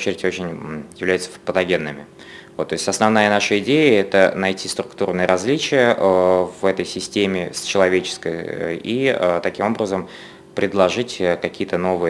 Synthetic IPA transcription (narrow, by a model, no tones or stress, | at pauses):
t͡ɕɪɾʲɪtʲo̞t͡ɕɪnʲjɪvlʲæjʊt̪səpət̪ɐɡʲe̞nːɨmʲɪ | vot̪ːo̞ɪsʲtʲɐsnɐvn̪ajənaʂəɪdʲejəɛt̪ənɐjtʲist̪ɾʊkt̪urnɨjəɾʔɐzʲlʲit͡ɕɪjəvɛt̪əjsʲɪsʲtʲemʲɪst͡ɕɪlˠɐvʲet͡ɕɪ̥skəj̰iət̪ɐkʲimo̞bɾəzəm | pɾʲɪd̪lˠɐʐɨtʲəkɐkʲijət̪əno̞vɨjə